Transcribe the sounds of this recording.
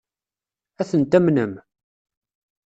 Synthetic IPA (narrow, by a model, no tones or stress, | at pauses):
æθənt̪æmnəm